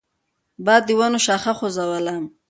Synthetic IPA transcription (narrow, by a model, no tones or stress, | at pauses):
baːd̪ːiwanoʃaːχaχozawalam